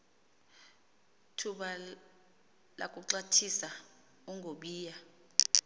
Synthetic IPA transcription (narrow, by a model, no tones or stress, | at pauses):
tʰuɓa | la̰k̬ʼuǁatʰisa | uŋɡʱoɓiːja